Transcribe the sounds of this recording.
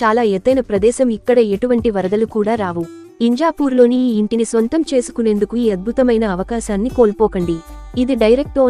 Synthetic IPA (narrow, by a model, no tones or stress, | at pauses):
t͡ʃaːlaːeːt̪ːɐjnɐpɾɐd̪ɛːʃɐmikːɐɽɐeʈuʋɐɳʈiʋɐɾɐd̪ɐlukuːɽaːɾaːʋu | iɲd͡ʒaːpuːɾlo̞ːniːɳʈinisʋɐnt̪ɐmt͡ʃe̞ːsu̥kune̞nd̪ukuiːɐd̪̚bʱut̪ɐmɐjnɐːʋɐkaːʃaːnːiko̞ːlpɔːkɐɳɖiid̪iɖɐjɾek̚ʈoː